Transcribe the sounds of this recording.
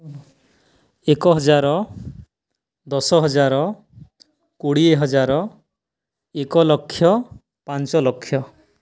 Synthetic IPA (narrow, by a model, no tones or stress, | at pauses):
ekɔɦɔd͡ʒaɾɔ | d̪ɔsɔɦɔd͡ʒaɾɔ | kuɽieɦɔd͡ʒaɾɔ | ekɔlɔkʰːjɔ | pant͡ʃɔlɔkʰːjɔ